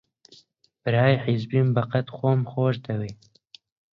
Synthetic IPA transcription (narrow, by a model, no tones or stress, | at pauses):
b̥ɨɾaːjħizbiːmbɐqɐt̪xʷomxoːʒd̪ɐwiː